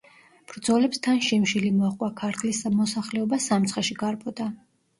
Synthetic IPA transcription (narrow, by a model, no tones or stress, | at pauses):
b̥ɾd̪zɔlɛpst̪ʰanʃimʃilimɔaqʼwakʰaɾt̪ʰlismɔsaχlɛɔbasamt̪sχɛʃiɡaɾbʰʼɔd̪a